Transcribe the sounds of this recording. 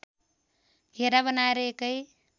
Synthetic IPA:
ɡʱeɾabʌnaeɾʌekʌj

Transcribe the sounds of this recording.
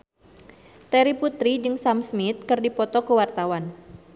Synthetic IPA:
t̪ɛɾiput̪ɾid͡ʒɨŋsamsmit̪̚kɨrdipɔt̪ɔkəwart̪awan

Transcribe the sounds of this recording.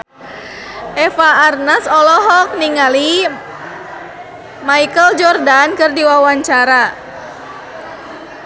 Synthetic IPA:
ʔɛfaːrnasɔlɔɦɔk̚niŋali | maikəld͡ʒɔrdankərdiwawaɲt͡ʃaɾa

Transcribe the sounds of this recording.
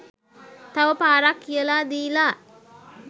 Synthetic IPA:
t̪aʋəpaːɾakːijəlaːd̪iːlaː

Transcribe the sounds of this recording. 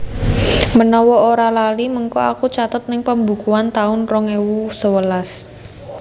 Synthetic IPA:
mənɔwɔoɾalaliməŋkɔakut͡ʃat̪ət̪̚nɪŋpəmbukuant̪aʊnrɔŋewusəwəlas

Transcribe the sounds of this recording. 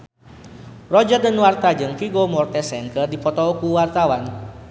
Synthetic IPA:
rɔd͡ʒərdənwart̪ad͡ʒɨŋkiɡomɔrt̪ɛsɛŋkərdipɔt̪ɔkuwart̪awan

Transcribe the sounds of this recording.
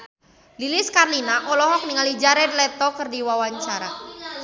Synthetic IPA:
liliskarlinaʔɔlɔɦɔk̚niŋalid͡ʒaɾɛd̚lɛt̪ɔkɨrdiwawaɲt͡ʃaɾa

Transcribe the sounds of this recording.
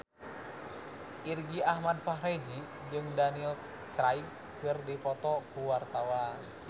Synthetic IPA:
ʔirɡiahmad̚faɦɾed͡ʒi | d͡ʒɨŋdanil | t͡ʃɾaip̚ | kɨrdifɔt̪ɔkuwart̪awa

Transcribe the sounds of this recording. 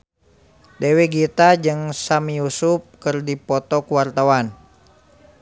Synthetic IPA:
deweɡit̪ad͡ʒɨŋsamijusup̚kɨrdipɔt̪ɔkuwart̪awan

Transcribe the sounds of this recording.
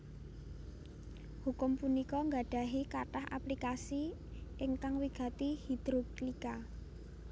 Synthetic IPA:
hukʊmpunikɔŋɡa̤ɖ̥a̤ɦikaʈaha̰plikasi | ʔɪŋkaŋwiɡ̥a̤t̪ihid̪̥ɾoklika

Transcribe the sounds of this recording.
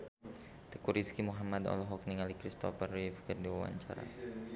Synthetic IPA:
t̪əkuɾiskimuɦamad̪ɔ̰lɔɦɔk̚niŋalikɾist̪ɔfərifkərdiwawa̰ɲt͡ʃa̰ɾa̰

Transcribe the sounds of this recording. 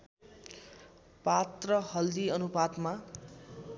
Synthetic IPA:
pat̪rʌhʌld̪iʌnupad̪ma

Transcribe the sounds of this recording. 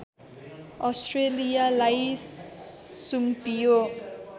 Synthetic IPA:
ʌsʈrelijalaj | sumpijo

